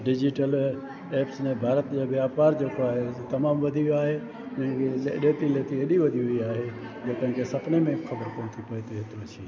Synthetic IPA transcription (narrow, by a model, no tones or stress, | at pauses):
ɖɪd͡ʒɪʈəl | eːpsnẽbʱaːɾət̪d͡ʒaʋjaːpaːɾd͡ʒekoaːɦeset̪ɐmaːmʋɐd̪ʱiaːɦe | nɐ̃ɦɪ̃keeɗeːt̪ileːt̪ieɗiʋɐd̪ʱiɦʊiaːɦe | d͡ʒekə̃ɦɪ̃kesɐpnemẽxʰɐbəɾkɐɾt̪ipɐit̪eɦet̪oət͡ʃʰi